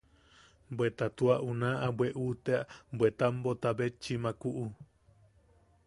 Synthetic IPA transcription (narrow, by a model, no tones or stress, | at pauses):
bwet̪at̪uaʔunãʔabweʔut̪eaʔbwet̪ambot̪abet͡ʃːimãkuʔu